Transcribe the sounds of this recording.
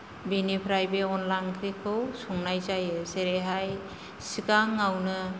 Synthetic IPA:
binipʰɾajbeɔnlaŋkʰɾikʰɯwsɔŋnajzajɯseɾeɦaj | sikaŋawnɯ

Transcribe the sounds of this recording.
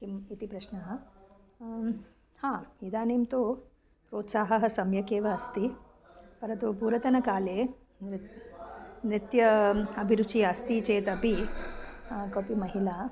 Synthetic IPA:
kiit̪iːpɾɐɕnɐɦɐ | hãid̪aːneːmt̪o | pɾoːt̪saːɦɐɦɐsɐmjɐkeːʋɐːst̪iː | pɐɾɐt̪upuːɾɐt̪ɐnɐkaːle | nɾɪt̪jɐɐbʱiɾut͡ʃiːəst̪iːt͡ʃeːt̪ɐpi | kɐpimɐɦila

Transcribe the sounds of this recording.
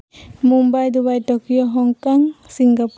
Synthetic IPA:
mumbajd̪ubajtɔkijɔɦɔŋkaŋsiŋɡap

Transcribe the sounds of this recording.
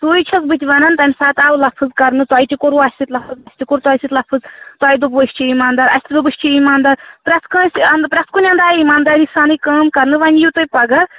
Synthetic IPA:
t̪ujt͡ʃʰɐzbɨt̪ʲʋɐnɐnt̪ɐmʲsaːt̪aːwlɐpʰɨzkɐɾnɨt̪aːjt̪ʲikuɾuasʲsit̪lɐpʰɨzbɐsʲt̪ʲikuɾt̪wajsit̪lɐpʰɨzt̪waːjd̪ubʋɨsʲt͡ʃʰiimaːnd̪aːɾɐsʲt̪ʲid̪ubɨsʲt͡ʃʰiimaːnd̪aːɾpɾɐt̪ʰkãnsʲɐnd̪pɾɐt̪ʰkunʲɐnd̪aːɾimaːnd̪aːɾisaːnɨkaːmkɐɾnɨʋɐnʲjut̪ojpɐɡɐ

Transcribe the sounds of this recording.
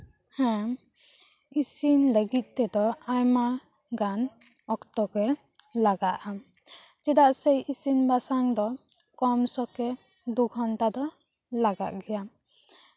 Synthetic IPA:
hɛ̃ | isinləɡit̪̚ˀt̪ɛd̪ɔajma | ɡan | ɔkt̪ɔkɛ | laɡaʔam | d͡ʒɛd̪aʔsejisinbasaŋd̪ɔ | kɔmsɔkɛ | d̪uɡʰʱɔnt̪ad̪ɔ | laɡa̰ʔɡɛja

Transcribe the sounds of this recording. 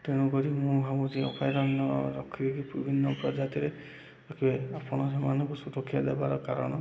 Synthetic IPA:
t̪eɽ̃ukɔɾimũɦamud͡ʒiɔpʰajɾɔnɔɾɔkʰːidekibibʱinːɔpɾɔd͡ʒat̪iɾe | ɾɔkʰibeapɔɽ̃ɔsemanɔŋkusuɾɔkʰːjɔd̪ebaɾɔkaɾɔ̰ɽ̃ɔ

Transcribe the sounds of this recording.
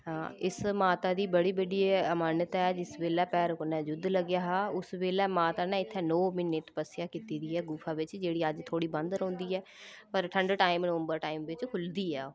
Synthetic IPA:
ɦãːɪsmaːt̪aːd̪iːbəɽiːbəɖiːəmaːnjət̪ɛːd͡ʒɪsʋeːlɛːpɛːɾknɛ̃ːd͡ʒʊd̪ləɡɪjaːɦaːʊsʋeːlɛːmaːt̪aːnɛ̃ːɪt̪ʰːɛːnɔːmɪnːeːt̪pəsɪjaːkiːt̪iːd̪iːɛːɡuːpʰaːʋɪt͡ʃd͡ʒeːɽiːəd͡ʒt̪ʰoːɽiːbənd̪ɾõːnd̪iːɛː | pəɾʈʰəɳɖʈaːɪmnoːmbəɾʈaːɪmʋɪt͡ʃkʰʊld̪iːɛː

